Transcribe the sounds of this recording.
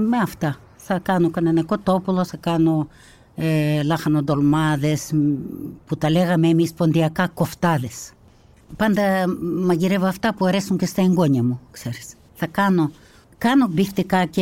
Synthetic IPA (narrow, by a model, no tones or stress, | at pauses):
meɐft̪ɐ | θɐkɐnokɐnenekot̪opuloθɐkano | elɐxɐnod̪olmɐðes | put̪ɐleɣɐmemispond̪iɐkɐkoft̪ɐðes | pɐnd̪ɐmɐʝiɾevoɐft̪ɐpuaɾesuɲcest̪ɐeŋɡoɲɐmukseɾis | θɐkɐno | kɐnobift̪ikɐce